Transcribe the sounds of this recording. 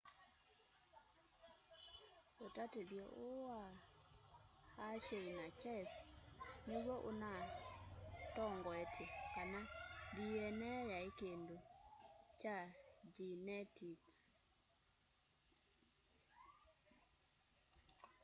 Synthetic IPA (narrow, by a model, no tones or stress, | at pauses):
otateðjɔʔoa | ʃeɾinat͡ʃɛsneɣwɔʔona | tɔŋɡɔɛtʰekanandiɛnɛjaekendo | t͡ʃad͡ʒinɛtik